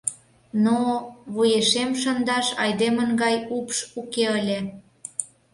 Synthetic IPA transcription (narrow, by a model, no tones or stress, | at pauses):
noβujeʃemʃə̆nd̪ɑʃɑjd̪emənɡɑjupʃukeəlʲĕ